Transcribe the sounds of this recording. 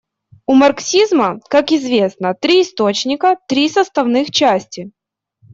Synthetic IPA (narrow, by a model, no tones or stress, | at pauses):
ʊmɐrksʲizməkakɪzvʲe̞snət̪ɾʲiːst̪o̞t͡ɕnʲɪkət̪ɾʲisəst̪ɐvnɨxt͡ɕæsʲtʲɪ